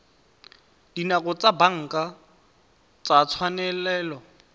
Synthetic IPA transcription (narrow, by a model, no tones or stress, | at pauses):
dinaɣʊt͡sʼabaŋ̩kʼa | t͡sat͡sʰwanɛlɛːlɔ